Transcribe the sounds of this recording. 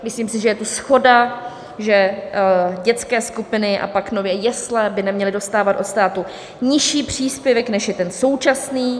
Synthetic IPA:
mɪsliːmsɪʒɛjɛt̪usxo̞da | ʒɛ | ɟɛt͡skɛːskupɪnɪʔa̰paknovjɛjɛslɛbɪnɛmɲɛlɪdo̞st̪aːvat̪ʔo̞t̪st̪aːt̪u | ɲɪʃiːpr̝̥iːspjɛvɛknɛʃjɛt̪ɛnso̞wt͡ʃasniː

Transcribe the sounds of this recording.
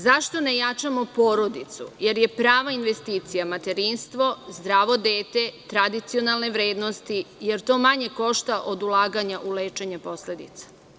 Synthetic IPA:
zaʃt̪o̞nejat͡ʃamo̞poːɾo̞d̪it̪sṵje̞ɾje̞pɾaːʋainʋest̪iːt̪sijamat̪e̞ɾiːnst̪ʋo̞zd̪ɾaːʋo̞d̪eːt̪e̞t̪ɾad̪it̪sio̞nalˠne̞ʋɾeːd̪nost̪ije̞ɾt̪o̞ːmaɲe̞ko̞ʃt̪aʔo̞d̪ulˠaːɡaɲaʔuleːt͡ʃe̞ɲapo̞sle̞d̪it̪sḁ

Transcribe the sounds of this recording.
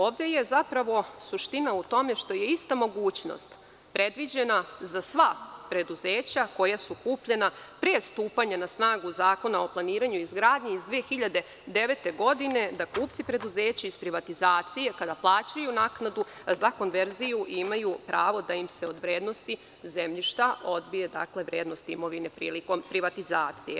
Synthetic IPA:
o̞ːʋd̪eje̞zapɾaʋo̞suʃt̪inaut̪o̞me̞ʃt̪o̞je̞ist̪amo̞ɡuːt͡ɕno̞̰st̪ | pɾe̞d̪ʋid͡ʑe̞nazasʋapɾe̞d̪uzeːt͡ɕako̞jasukuːpʎe̞napɾiest̪uːpaɲanasnaːɡuzaːko̞nao̞plˠaniːɾaɲuizɡɾaːd̪ɲeizd̪ʋiexiʎad̪e̞ | d̪e̞ʋe̞t̪e̞ɡo̞d̪ine̞d̪akuːpt̪sipɾe̞d̪uze̞ːt͡ɕaizpɾiʋat̪izaːt̪sije̞kad̪aplˠaːt͡ɕajunaknad̪uzako̞nʋe̞ɾzijuʔimajupɾaːʋo̞d̪aimse̞o̞d̪ʋɾje̞ːd̪no̞st̪i | ze̞mʎiʃt̪aʔo̞d̪bije̞d̪a̰kle̞ʋɾjeːd̪no̞st̪imo̞ʋine̞pɾḭːliko̞mpɾiʋat̪izaːt̪sijḛ

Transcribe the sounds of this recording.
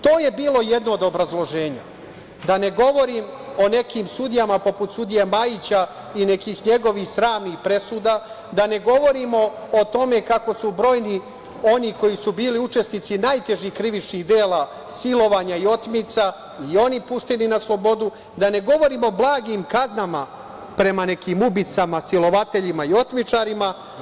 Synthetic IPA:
t̪o̞ːje̞biːlˠo̞jed̪no̞ːd̪obɾazlˠo̞ʒe̞ːɲa̰ | d̪ane̞ɡo̞ʋo̞ɾimo̞ne̞kiːmsud̪ijamapo̞put̪sud̪ijemajit͡ɕa | ine̞kiːxɲe̞ɡo̞ʋixsɾaːmnixpɾe̞suːd̪aː | d̪ane̞ɡo̞ʋo̞ɾimo̞ːt̪o̞me̞kako̞subɾo̞ːjni | o̞niko̞jisubiːliut͡ʃe̞snit̪sinajt̪e̞ʒɲikɾiʋit͡ʃniɣd̪e̞ːla | silo̞ʋaːɲaio̞t̪mit̪sa | io̞nipuʃt̪e̞ninaslˠo̞bo̞d̪u | d̪ane̞ɡo̞ʋo̞ɾiːmo̞blˠaːɡimkaznama | pɾe̞mane̞kimubit̪samasilo̞ʋat̪e̞ʎimaio̞t̪mit͡ʃaɾima

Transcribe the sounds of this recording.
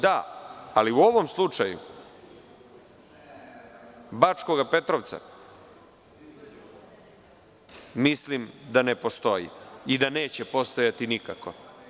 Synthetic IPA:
d̪aaliuo̞ʋo̞mslˠut͡ʂajṵ | bat͡ʃko̞ɡape̞t̪ɾoʋt̪sa̰ | mislimd̪ane̞po̞st̪o̞jḭid̪ane̞ːt͡ɕepo̞st̪ojat̪inikako̞

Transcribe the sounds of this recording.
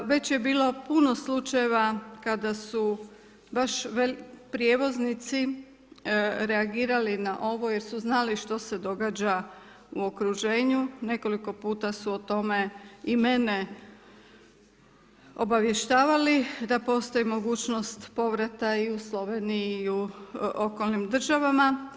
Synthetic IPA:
ʋe̞t͡ɕje̞biːlˠo̞puno̞slˠut͡ʃajeʋakad̪asu | baʃʋelpɾje̞ʋo̞znit̪si | ɾe̞aɡiːɾalinaʔo̞ʋo̞je̞ɾsuznaliʃt̪o̞se̞d̪o̞ɡaːd͡ʑa | uo̞kɾuʒe̞ːɲune̞ko̞liko̞puːt̪asuot̪o̞me̞ime̞ne̞ | o̞̰baʋje̞ʃt̪aːʋalid̪apo̞st̪ojimo̞ɡuːt͡ɕno̞st̪po̞ʋɾat̪aiuslo̞ʋe̞ːnijiːuo̞ko̞lˠnimd̪r̩ʒaʋama

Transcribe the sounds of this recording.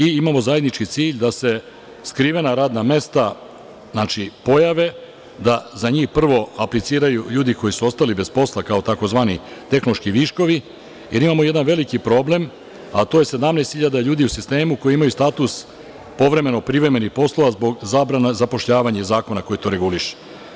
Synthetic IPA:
iimaːmo̞zaje̞d̪nit͡ʃkit̪siːʎd̪ase̞ | skɾiːʋe̞naɾaːd̪name̞st̪a | znaːt͡ʃipo̞jaʋe̞ | d̪azaɲiːxpr̩ʋo̞aplit̪siːɾajuʎuːd̪iko̞jisuo̞st̪alibe̞spo̞slakaot̪ako̞zʋaːnit̪e̞xnoloʃkiʋiʃko̞ʋi | je̞ɾimaːmo̞je̞d̪anʋe̞likipɾo̞ble̞m | at̪oje̞se̞d̪amneːst̪hiʎad̪aʎuːd̪iusist̪e̞ːmuko̞jiimajust̪aːt̪us | po̞ʋɾe̞me̞no̞pɾiʋɾe̞me̞nixpo̞slˠoʋazbo̞ɡzaːbɾanezapo̞ʃʎaːʋaɲazaːko̞nako̞jit̪o̞ːɾe̞ɡuliʃe̥

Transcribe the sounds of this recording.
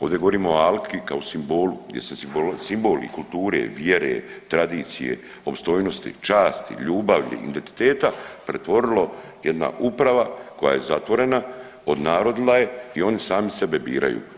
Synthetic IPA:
o̞ːʋd̪ʲeɡo̞ʋo̞ɾiːmooalkʰikaosimbo̞ːluɡd̪je̞̰sesimbosimbo̞lḭkulˠt̪uːɾḛʋjeɾet̪ɾad̪iːt̪sijḛ | o̞pst̪o̞jno̞st̪ḭt͡ʃaːst̪ḭʎuːbaʋʎḭḭnd̪ent̪i̥t̪eːt̪apɾe̞t̪ʋo̞ɾilˠo | jed̪na̰ʔupɾaʋako̞ja̰je̞zat̪ʋo̞ɾe̞na | o̞d̪naːɾo̞d̪ilaje̞io̞nisaːmisebebḭːɾʔa̰jṵː

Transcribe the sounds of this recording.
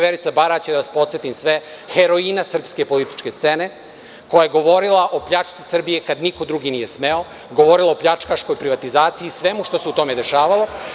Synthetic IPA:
ʋeɾit̪sabaɾat͡ɕed̪aʋaspot̪sjet̪imsʋe | xeɾoinasr̩pske̞po̞lit̪i̥t͡ʃke̞st̪sene̞ | ko̞jaje̞ɡo̞ʋo̞ɾilˠaʔo̞pʎat͡ʃt̪sisr̩bije̞kad̪niko̞d̪ɾuɡinije̞sme̞o̞ | ɡo̞ʋo̞ɾilˠaopʎat͡ʂkaʃko̞jpɾiʋat̪izaːt̪siisʋe̞muʃt̪o̞seut̪o̞me̞d̪e̞ʃaːʋalˠo̞

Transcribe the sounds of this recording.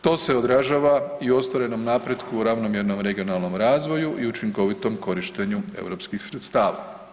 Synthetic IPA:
t̪o̞ːse̞o̞d̪ɾaʒaːʋaio̞st̪ʋoɾe̞no̞mnapɾe̞d̪kuuɾaʋno̞mjeɾno̞mɾe̞ɡio̞nalˠno̞mɾaːzʋo̞juʔiut͡ʃiŋko̞ʋit̪o̞mko̞ɾiʃt̪e̞ɲuḛwɾo̞pskixsɾet̪st̪aːʋa̰

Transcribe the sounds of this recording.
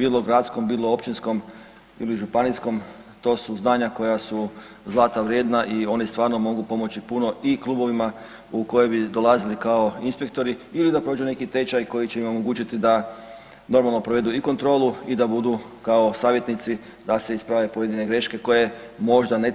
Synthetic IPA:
biːlˠo̞ɡɾat̪sko̞mbiːlˠoopt͡ʃinsko̞m | ḭliʒupanisko̞mt̪o̞suznaːɲako̞jasu | zlˠaːt̪aʋɾʲjed̪naʔio̞nist̪ʋaːɾno̞mo̞ɡupo̞mo̞t͡ɕipuno̞ʔiklˠuːbo̞ʋima | uko̞jebid̪o̞lˠazilikao̞inspe̞k̚t̪o̞ɾiilid̪apɾod͡ʒune̞kit̪e̞t͡ʃajko̞jit͡ʃeimo̞mo̞ɡuːt͡ʃit̪id̪a | no̞ɾmalˠno̞pɾoʋe̞d̪uiko̞nt̪ɾo̞ːluid̪abud̪ukao̞saːʋje̞t̪nit̪si | d̪ase̞ispɾaʋe̞pojed̪ine̞ɡɾe̞ʃke̞ko̞je̞ | mo̞ʒd̪ane

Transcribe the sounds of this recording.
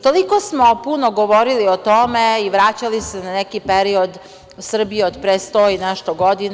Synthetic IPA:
t̪olikosmopunoɡoʋoɾiliot̪omeiʋɾat͡ɕalisenanekipeɾiod̪ | sr̩bijeod̪pɾest̪oinɛʃt̪oɡod̪in

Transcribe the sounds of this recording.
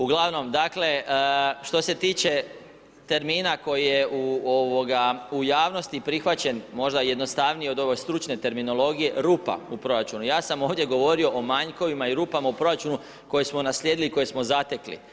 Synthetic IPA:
uɡlˠaʋno̞md̪akle̞ʃt̪o̞se̞t̪iːt͡ʃe̞ | t̪e̞ɾmiːnako̞jijeuoʋo̞ɡaujaːʋno̞st̪ipɾixʋat͡ɕe̞nmo̞ʒd̪aje̞d̪no̞st̪aʋnieo̞d̪o̞ʋo̞jst̪ɾut͡ʃne̞t̪e̞ɾmino̞lˠo̞ɡije̞ɾuːpa̰upɾo̞ɾat͡ʃunujaːsamo̞ːʋd̪je̞ɡo̞ʋo̞ɾio̞ʔomaɲko̞ʋimaiɾuːpamaupɾo̞ɾat͡ʃunu | ko̞jesmo̞nasʎʲeːd̪iliko̞jesmo̞zat̪e̞klḭ

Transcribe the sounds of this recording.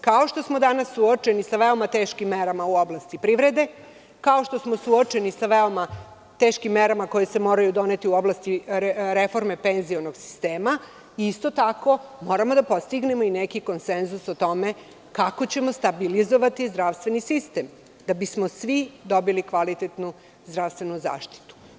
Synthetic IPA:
kao̞ʃt̪o̞smo̞d̪anasːuot͡ʃe̞nisaʋeomat̪eːʃkimːeɾamauoblˠast̪ipɾiʋɾe̞d̪e̞ | kao̞ʃt̪o̞smo̞suot͡ʃe̞nisaʋeoma | t̪eːʃkimːeɾamako̞jese̞mo̞ːɾajud̪o̞ne̞t̪iuo̞blast̪iɾefo̞ɾme̞penzionoɡsi̥st̪eːma | iist̪o̞t̪ako̞mo̞ːɾamod̪apo̞st̪iɡnemo̞inekiko̞nsenzusot̪o̞me̞ | kako̞t͡ɕemost̪abilizo̞ʋat̪izd̪ɾaʋst̪ʋe̞nisist̪e̞m | d̪̥abismosʋid̪o̞bilikʋalit̪et̪nu | zd̪ɾaʋst̪ʋe̞nuza̰ːʃt̪i̥t̪u̥

